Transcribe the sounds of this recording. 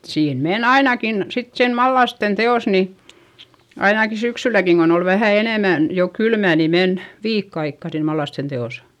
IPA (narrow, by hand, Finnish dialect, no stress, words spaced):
siːn men ɑinɑkin sit siːn mɑlːɑsten teoˑs ni ɑinɑki syksylækiŋ kon ol ʋæhæˑ eneˑmæn jo kylmæˑ ni men ʋiːkː ɑikːɑ siːn mɑlːɑsten teosɑ̥